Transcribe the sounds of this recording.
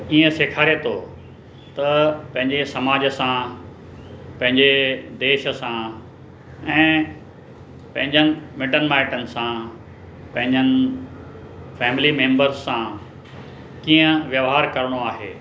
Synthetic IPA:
iːə̃seːkʰaːɾet̪ʰo | t̪ɐpɐ̃ɦɪ̃ɲd͡ʑesɐmaːd͡ʑəsã | pɐ̃ɦɪ̃ɲd͡ʑed̪eːʃə̆sã | ɛ̃ː | pɐ̃ɦɪ̃ɲd͡ʑənɪ̆mɪɖənmaːɪʈənɪ̆sã | pɐ̃ɦɪ̃ɲd͡ʑənɪ̆ | fɛːmlimẽːmbəɾzsã | kiːə̃ʋjɐʋɦaːɾkɐɾɽ̃oaːɦḛː

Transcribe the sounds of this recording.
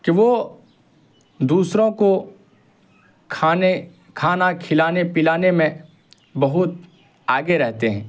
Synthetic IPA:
kiʋoː | d̪uːsɾõko | kʰaːne | kʰaːnakʰɪlaːnepɪlaːnemẽ | bɐɦʊt̪̚ | aːɡeɾɛɦt̪eɦɛ̰̃ː

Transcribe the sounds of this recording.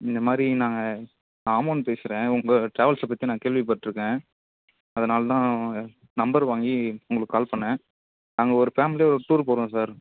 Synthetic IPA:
ɪnd̪ɐmaːd̪ɾinaːŋɡɐ | aːmoːnpeːsɪɾẽːʊŋɡɐʈɾaːʋɐlsɐp̬ɐt̪ːinaːɐkeːɭʋip̬ɐʈːɪɾɯkːẽː | ɐðɐnaːlt̪ãː | nɐmbɐɾʋaːŋɡiʊŋɡɐɭɯkːɯːkaːlpɐɳːɛ̃ | naːŋɡɐɔɾɯfaːmɪlijɔɾɯʈuːɾp̬oːɾõsaːɾ

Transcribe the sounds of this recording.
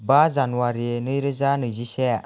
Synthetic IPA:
bazanuaɾinɯjɾɯzanɯzise

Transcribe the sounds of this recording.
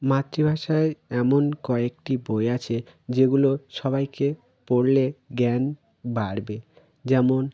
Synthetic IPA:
mat̪ːɾibʱaʃaeɛmonkɔek̚ʈiboeat͡ɕʰe | d͡ʑeɡuloʃɔbajke | poɽleɡɛn | baɾbe | d͡ʑɛmon

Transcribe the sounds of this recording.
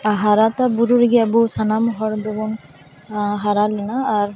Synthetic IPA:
aɦaɾat̪abuɾuɾɡiabusanamɦɔɾd̪ɔbun | ɦaɾalenaːɾ

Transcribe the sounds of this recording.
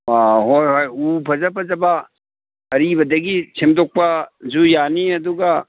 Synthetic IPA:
aɦojhojupʰɐzɐpʰɐzɐbɐ | ɐɾibɐdɐɡit͡ʃʰimdok̚pɐzujaniɐduɡɐ

